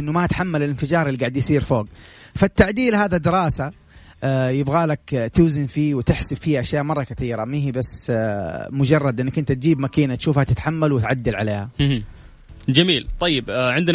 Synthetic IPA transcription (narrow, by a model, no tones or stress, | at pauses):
ʔɪnːʊmaʔat̪ħamːalɪlɪnfɪd͡ʒɑːɾˤɪlːiɡaʕɪd̪jsiːɾfoːɡfat̪ːaʕd̪iːlɦaːðad̪ɪɾɑːsa | jɪbɣaːlakt̪uːzɪnfiːwɪt̪ɪħsɪbfiːaʔaʃjaːʔmɑrˤːɑkaθiːɾamiːhibasː | mʊd͡ʒɑrˤːɑd̪ʔɪnːakʔɪnt̪at̪̚d͡ʒiːbmakiːnat̪ʃuːfhat̪ɪt̪ħamːalwɪt̪ʕad̪ːalʕa̰leːha | d͡ʒamiːlt̪ˤɑjːɪbʕɪnd̪n